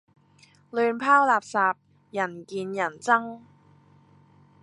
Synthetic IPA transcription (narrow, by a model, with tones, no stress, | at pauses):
lyː˧npʰaː˥wlaː˨p̚saː˨˧p̚ | jɐ˨˩nkiː˧njɐ˨˩nt͡sɐ˥ŋ